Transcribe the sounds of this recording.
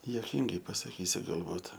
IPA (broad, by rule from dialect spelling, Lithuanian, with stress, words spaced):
juɔˈkʲiːŋɡɐɪ pɐsɐˈkʲiːsʲʊ ɡɐlˠˈbuːt